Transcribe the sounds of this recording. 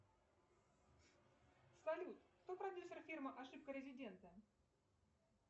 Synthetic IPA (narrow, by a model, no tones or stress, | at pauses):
sɐlʲut̪kt̪opɾɐdʲjusʲərfʲirməʔɐʂɨp̚kəɾʲɪzʲɪdʲe̞nt̪ə